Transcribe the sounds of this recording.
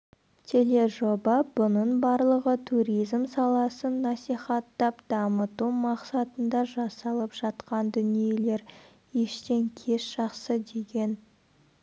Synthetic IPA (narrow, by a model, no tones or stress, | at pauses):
t̪ʰe̞le̞ʒo̞bɑbʊnənbɑɾlˠəʁət̪ʰuɾijzmsɑlˠɑsənːɑsijχɑt̪ːɑpd̪̥ɑmət̪umɑqsɑt̪ənd̪ɑʒɑsɑlˠəpʒ̥ɑt̪qɑnd̪ʏnije̞le̞ɾ | jeʃt̪e̞ŋkʲʰe̞sʒ̥ɑqsəd̪e̞ɡʲe̞n